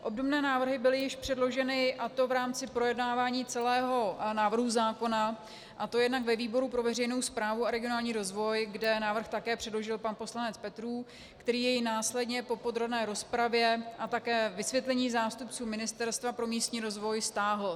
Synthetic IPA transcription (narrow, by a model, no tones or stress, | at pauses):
ʔo̞bdobnɛːnaːvr̩ɦɪbɪlɪjɪʃpr̝̥ɛdlo̞ʒɛnɪʔat̪o̞vɾaːmt͡sɪpɾo̞jɛdnaːvaːɲiːt͡sɛlɛːɦo̞naːvr̩ɦuzaːko̞na | ʔat̪o̞jɛdnakvɛviːbo̞ɾupɾo̞vɛr̝ɛjnowspɾaːvuaɾɛɡɪo̞naːlɲiːɾo̞zvo̞jɡdɛnaːvr̩xt̪akɛːpr̥ɛdlo̞ʒɪlpanpo̞slanɛt͡spɛt̪ɾuː | kt̪ɛɾiːjɛjɪnaːslɛdɲɛpo̞po̞d̪ɾo̞bnɛːɾo̞spɾavjɛʔat̪akɛːvɪsvʲjɛt̪lɛɲiːzaːst̪upt͡suːmɪnɪst̪ɛɾst̪vapɾo̞miːst̪ɲiːɾo̞zvo̞jst̪aːɦl̩